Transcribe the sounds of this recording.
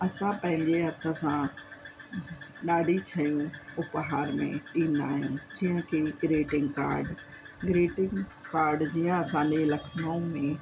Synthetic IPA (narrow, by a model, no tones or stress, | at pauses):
ɐsãpɐ̃ɦɪ̃ɲd͡ʑeɦɐt̪ʰə̆sã | ɗaːɽit͡ɕʰɐjũʊpɦaːɾmḛ̃ɗĩːnd̪aːɦɪjũd͡ʑiːɦə̃kʰeɡɪɾeːʈɪ̃ŋɡka̰ːɾɖ | ɡɾeːʈɪ̃ŋɡkaːɾɖd͡ʑijãɐsãɗẽlɐkʰnũmẽ